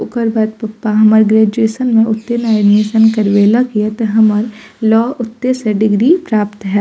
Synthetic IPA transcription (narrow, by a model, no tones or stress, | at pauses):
ʊkəɾbaːd̪̚pɐpːaɦɐməɾɡɾeːd͡ʒeːsənmẽʔʊt̪ːenaːneːsənkɐɾʋeːlakijat̪ɐɦɐməɾ | lɔːʔʊt̪ːeseɖɪɡɾipɾaːpt̪ɦɛː